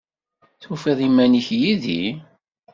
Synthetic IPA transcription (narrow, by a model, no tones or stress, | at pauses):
θufiðˤimːæniçjiðḭ